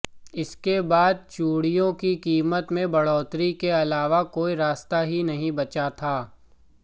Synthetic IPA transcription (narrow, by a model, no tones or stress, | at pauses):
ɪskebaːd̪̚t͡ʃuːɽijõkikiːmət̪mẽbɐɽɔːt̪ɾikeɐlaːʋakoːiɾaːst̪aɦinɐɦĩbɐt͡ʃat̪ʰaː